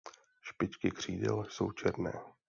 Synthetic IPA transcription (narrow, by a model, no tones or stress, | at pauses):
ʃpɪt͡ʃkɪkr̝̥iːdɛ̰lso̰wt͡ʃʰɛɾnɛː